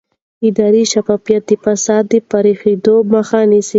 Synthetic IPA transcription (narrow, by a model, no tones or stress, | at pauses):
ɪd̪ɑɾiʃafɑfijat̪̚d̪efasɑd̪̚ːəpaɾexed̪oməxanisi